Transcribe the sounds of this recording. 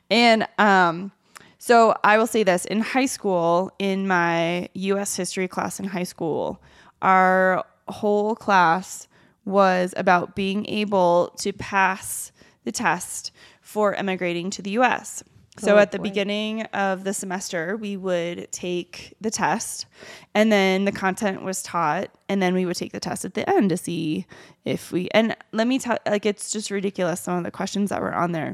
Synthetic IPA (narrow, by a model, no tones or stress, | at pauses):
ɨ̃nʌ̃m | soʊʔa̰ɪwəlˠseɪðɪsɨ̰̃nhaɪskulˠɪ̃nmaɪjʉɛshɪstɹ̥ikʰl̥æ̰sɨ̃n̩ɦaɪskṵlˠ | ʔaə˞ | hoʊlˠkʰl̥æs | wʌzɨ̰baʊt̚b̥iɪ̃ŋʔḛɪbl̩ˠtʰɨpʰæs | ðɨtʰɛst | fə˞ʔɛ̰mɨɡɹeɪɾɪ̃ŋtʰɨðɨjʉɛ̰sː | oʊɨt̪̚ðɨbɨɡɪ̃nɪ̃ŋʌvðɨsɨmɛstə˞wiwəd̚tʰeɪkðɨtʰɛstɨ̃nðɨ̃nðɨkʰɑ̃ntʰɛ̃nʔwʌz̥tʰɔɾ | ɨ̃nðɨ̃nwiwɨd̚tʰeɪk̚ðɨtʰɛ̰stɨt̪̚ðiʔɛ̃ntɨsi | ɪfwiʔɨ̰̃nlɛt̚mitʰɛlaɪkɨtsd̥ʒ̥ʌst̚ɹɨdɪkjl̩ˠəsʌ̃mʌvðɨ̰kʰw̥ɛst͡ʃnzðə̰ʔ̚wə̰˞ʔə̰̃nðə̰˞